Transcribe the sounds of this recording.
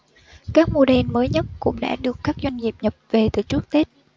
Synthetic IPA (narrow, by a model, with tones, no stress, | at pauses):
kaː˦˥k̚mo˧ɗe˧nməː˨˦jɲə˦˥t̚kʊ̰˧˥ŋ͡mɗa̰ː˧˥ɗɨ˨˩əkːaː˦˥k̚zwa˧jŋ̟zi˨˩əp̚ɲə˨˩p̚ve˨˩t̪ɨ˨˩t͡ɕu˦˥ək̚t̪e˦˥t̚